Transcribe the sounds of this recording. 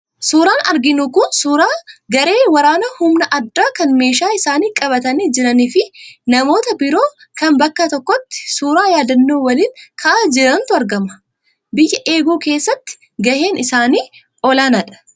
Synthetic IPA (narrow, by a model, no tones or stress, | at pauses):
suːɾaːnɐɾɡɪnukʊnsuːɾaːɡɐɾe̞ːwɐɾaːnɐhʊmnɐʔɐd̪ːaːkɐnme̞ːʃaːɪsaːniːkʼɐβɐt̪ɐniːd͡ʒɪɾɐniːfɪnɐmo̞ːt̪ɐbɪɾo̞ː | kɐmbɐkːɐt̪ɔkːɔt̪ːɪ̥suːɾaːjaːd̪ɐnːoːwɐliːŋkʰɐʔaːd͡ʒɪɾɐnt̪ʊɐɾɡɐmɐ̥ | bɪjːɐʔeːɡuːke̞ːsːɐt̪ːɪ̥ | ɡɐheːnɪsaːniː | ʔɔlaːnɐᶑɐ̥